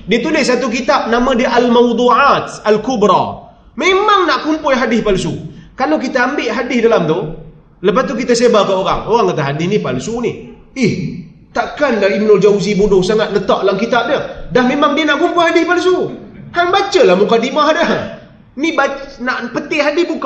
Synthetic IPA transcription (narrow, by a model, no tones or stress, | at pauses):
diət̪unɪss̬at̪uk̬it̪ap̚namãdiəʔalmawd̪ˤuʕat̪alkubɾa̰ | memaŋnaʔkumpʊjɦadɪspalsukalawkit̪aːmbɪʔɦadɪsdalamt̪u | ləpast̪ukit̪asebakəoɾa̰ŋoɣaŋkat̪aɦadɪhnipalsunɪh | ɪh | t̪aʔkandalimnʊld͡ʒawuzibudʊhsaŋat̪̚lət̪aʔlaŋkit̪ap̚dəhdahmemaŋdiənaʔkumpʊjhadɪhpalsuhaŋbat͡ʃəlahmukadimaɦdə | nibanaʔpət̪ɪʔɦadɪhbuk